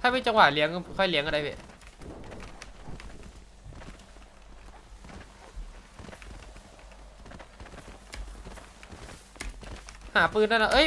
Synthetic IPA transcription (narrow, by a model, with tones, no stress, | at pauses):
t̪ʰaː˧miː˧˥˩t͡ɕa˧ŋwaː˨˩li˨˦əŋ˧kʰɔ˧˩jli˨˦ŋ˧˩da˧˩jbe˧˩ | haː˨˩˦pɯː˧nːaː˧˥˩na˧ʔɤ˧˥˨